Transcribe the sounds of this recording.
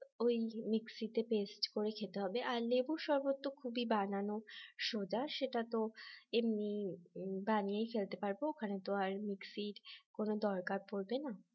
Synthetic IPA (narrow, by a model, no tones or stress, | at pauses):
ojmiksit̪epesʈkoɾekʰet̪eɦɔbeʔaɾlebuʃɔɾbot̪ːokʰubibananoʃod͡ʑaʃeʈat̪oemni | baniejfelt̪epaɾbookʰanet̪omaɾmiksiʈkonod̪ɔɾkaɾpoɾbena